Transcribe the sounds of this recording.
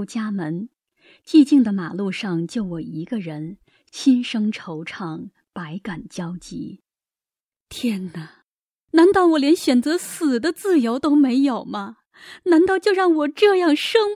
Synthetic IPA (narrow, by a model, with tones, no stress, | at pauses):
t͡ɕja˥mə˧˥n | t͡ɕi˥˧t͡ɕi˥˩ŋd̪ə˩ma˨˩lu˥˧ʂɑ˥˧ŋt͡ɕjo˥˩ʊwɔ˨˩i˧˥ɡə˧ɻə˧˥n | ɕʰi˥nʂɤ˥ŋʈ͡ʂʰo˧˥ʊʈ͡ʂʰɑ˥˩ŋ | pa˧˥ɪka˨˩nt͡ɕjɑ˥ʊt͡ɕḭ˧˥ | t̪ʰjɛ˥nːə˨˩ | na˧˥nt̪ɑ˥˩ʊwɔ˨˩ljɛ˧˥nɕɥɛ˨˩nt͡sɤ˧˥sɹ̩˨˩d̪ə˦t͡sɹ̩˥˩jo˧˥ʊt̪o˥ʊme˧˥ɪjo˨˩ʊmɐ˦ | na˧˥nt̪ɑ˥˧ʊt͡ɕjo˥˧ʊɻɑ˥˩ŋwɔ˨˩ʈ͡ʂɤ˥˧jɑ˥˩ŋʂɤ˥ŋ